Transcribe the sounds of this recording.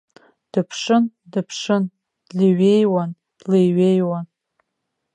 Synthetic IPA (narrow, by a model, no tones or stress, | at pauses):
d̥ɨpʰʂɨn | dɨpʰʂɨn | d̥liɥejwan | d̥lejɥejwan